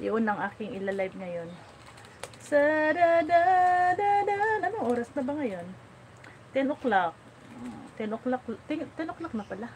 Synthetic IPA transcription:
jʊʔʊnːɐŋʔaːkɪŋʔɪlalajb̚ŋɐjo̞n | sɐd̪ad̪aʔd̪ad̪ɐʔanʔɐnoŋʔoːɾɐsnɐbɐŋɐjo̞n | t̪ɛnʔoklak̚ | t̪ɛnʔoklak̚t̪ɛŋt̪ɛnoklak̚nɐpɐla

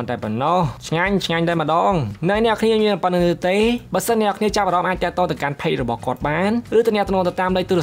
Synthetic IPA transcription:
ənt̪aɛpɔnːɑht͡ɕʰŋaɲt͡ɕʰŋaɲt̪aɛməɗɑːŋnɨnɛ̆əkʰniəmiənapənɨɨt̪eːɓaəsənːɛəkʰniət͡ɕap̚ʔaɾɑmʔaːc̚t̪ɛ̆əʔt̪oːt̪ɨwkanpʰeːk̚rɔɓɑhkŏət̪̚ɓaːnrɨːt̪ɨnɛ̆ət̪nɔːŋt̪ɨt̪aːmləc̚t̪uɾə

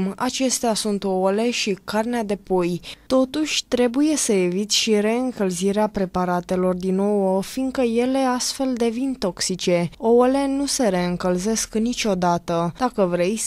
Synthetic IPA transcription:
ma̰t͡ʃe̞st̪easunt̪oole̞ʃikarnead̪e̞po̞jt̪o̞t̪uʃʲt̪ɾe̞buje̞səevit̪ʲʃiɾe̞ɨŋkəlziɾeapɾe̞paɾat̪e̞lo̞rd̪ino̞wəfiŋkəje̞le̞ast̪fe̞ld̪e̞vint̪o̞ksit͡ʃe̞ole̞nuse̞ɾe̞ɨŋkəlze̞sknit͡ʃʲo̞d̪at̪əd̪̥akəvɾe̞j

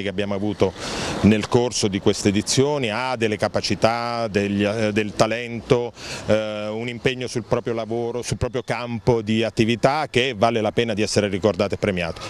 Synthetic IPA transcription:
ikeabjaːmoavuːt̪onelkorsod̪ikwest̪eːd̪it̪sːjoːniad̪elːekapat͡ʃit̪ad̪eʎːd̪elt̪alɛnt̪o | unimpeɲːosulpɾɔːpɾjolavoːɾosulpɾɔːpɾjokampod̪iat̪ːivit̪ak̟ːevalelapɛːnad̪iɛsːeɾerikord̪aːt̪oepːɾemja̰ːt̪o̥

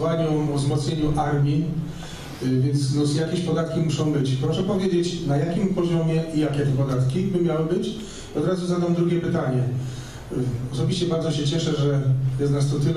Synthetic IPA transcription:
waɲɔvzmɔt̪sɲeɲuʔaɾmʲji | vʲjɛnt̪snɔjakʲɛɕpɔd̪at̪kʲimuʂɔ̃w̃bɘt͡ɕpɾɔʂɛpɔvʲjed͡ʑet͡ɕnajakʲimpɔʑɔmʲjɛijakʲɛpɔd̪at̪kʲibɘmʲjawɘbɘt͡ɕ | iɔd̪ɾazuzad̪amd̪ɾuɡʲjɛpɘt̪aɲɛ | ɔsɔbʲiɕt͡ɕɛbaɾd̪zɔɕɛt͡ɕɛʂɛʐɛjɛst̪nast̪ɔt̪ɘl

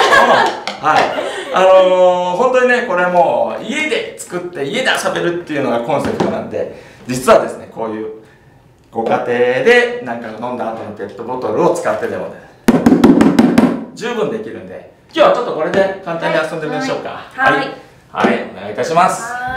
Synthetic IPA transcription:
ohaianoɦõ̞nt̪oɲ̟ine̞ko̞ɾe̞mo̞ːie̞d̪e̞t͡sɨ̥kɯ̟t̪ːe̞ie̞d̪aɕabe̞ɾɯ̟t̪ːe̞jɯ̟no̞ɡakõ̞ɰ̃se̞pɯ̟t̪onã̰nd̪e̞̰d͡ʑit͡sɨβad̪e̞sɨne̞ko̞ːjɯ̟ː | ɡ̥o̞kat̪e̞ːd̪e̞nãŋkaɡanõ̞nd̪aːt̪o̞not̪e̞t̪ːo̞bo̞t̪o̞ɾɯ̟o̞t͡sɨ̥kat̪ːe̞t̪e̞mone | d͡ʑɨːbɯ̟̃nd̪e̞kʲiɾɯ̟̃nd̪e̞̰ | kʲo̞ːβat͡ɕo̞t̪ːo̞ko̞ɾe̞d̪e̞kãnt̪ãɲ̟ːiasond̪emɯd̪eɕo̞ːka̰ai | ha̰ione̞ɡait̪aɕimasɨ̥

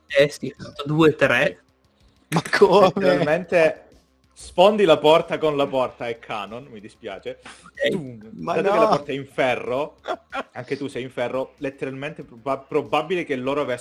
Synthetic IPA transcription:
ɛst̪ifat̪ːod̪uːet̪ɾe | makʰoeɾalment̪e | sfond̪ilapɔrt̪akonlapɔrt̪aekʰːaːnonmid̪ispja̰ːt͡ʃe | at̪okellapɔrt̪aɛiɱfɛrːo | aŋk̟et̪usɛjiɱfɛrːolet̪ːeɾalment̪eapɾobabilek̟elːoːɾoaves

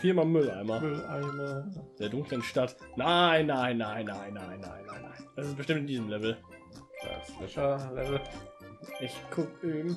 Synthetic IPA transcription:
fiːɐmamʏlʔa̰ɪmamʏlʔaɪməd̥eːɐdʊŋklənʃtatnaɪnːaɪnːaɪnːaɪnːaɪnːa̰ɪnːa̰ɪnːa̰ɪnd̥asɪsb̥əʃtɪmtɪndiːzəmlɛvl̩ | d̥a̰svɛ̰ʃɐlɛ̰vl̩ | ʔɪçkʰʊkeːm̩

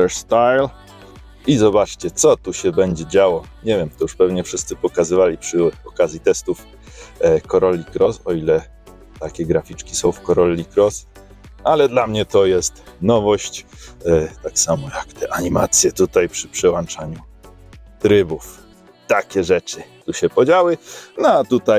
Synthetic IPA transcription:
ɛɾst̪ajl | izɔbat͡ʂt͡ɕɛt̪sɔt̪uɕɛbɛɲd͡ʑɛd͡ʑawɔɲɛvʲjɛmt̪ɔjuʂpɛvɲɛfʂɘst̪sɘpɔkazɘvalʲipʂɘɔkazʲjit̪ɛst̪uf | kɔɾɔlʲːikɾɔsɔilɛ | t̪akʲɛɡɾafʲit͡ʂkʲisɔ̃w̃fkɔɾɔlʲːikɾɔs | alɛd̪lamɲɛt̪ɔjɛst̪nɔvɔɕt͡ɕ | t̪aksamɔjakt̪ɛʔaɲima̰t̪sʲjɛt̪ut̪ajpʂɘ̥pʂɛwant͡ʂaɲu | t̪ɾɘbuf | t̪akʲɛʐɛt͡ʂɘt̪uɕɛpɔd͡ʑawɘnɔat̪ut̪aj

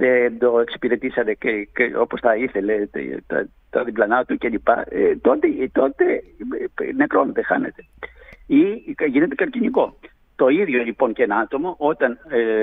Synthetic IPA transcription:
ðend̪o̞e̞ksi̥piɾe̞t̪isɐt̪e̞eo̞posθɐiθe̞le̞̰t̪ɐ̰ | t̪ɐðiblɐnɐt̪uceʎipɐ̰et̪o̞t̪et̪o̞t̪e̞ | ne̞kɾo̞net̪e̞xɐ̰ne̞t̪e̞iʝine̞t̪e̞kɐɾciniko̞ | t̪o̞iðʝo̞ʎipo̞ncenɐɐt̪o̞mo̞ʔo̞t̪ɐn

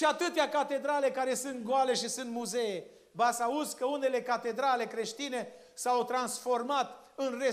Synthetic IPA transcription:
ʃiat̪ɨt̪eakat̪e̞d̪ɾale̞kaɾe̞sɨnt̪̚ɡoale̞ʃisunt̪muze̞je | basauzkəune̞le̞kat̪e̞d̪ɾale̞kɾe̞ʃt̪ine̞ | sawt̪ɾansfo̞rmat̪ɨnre

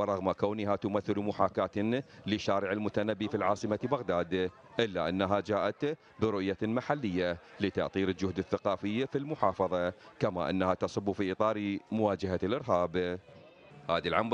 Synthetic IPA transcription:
wɾˤɑɣmakaːnɪɦat̪ʊmaθːɪlmʊħaːkaːt̪lɪʃːaːɾɪʕɪlmʊt̪anabːifilʕɑːsˤɨmabaɣd̪aːd̪ | ʔɪlːaʔanːaɦad͡ʒaːʔat̪ | bɪɾʊʔjamaħalːɪjːalɪt̪ɑ̰ʔt̪ˤiːɾɪld͡ʒʊhd̪ɪθːaqɑːfɪjːafilmʊħɑːfɑðˤɑkamaʔa̰nːahat̪ɑsˤʊbːufiʔɨt̪ˤɑːɾmʊwaːd͡ʒaɦalʔɪɾɦaːb | haːðilʕam

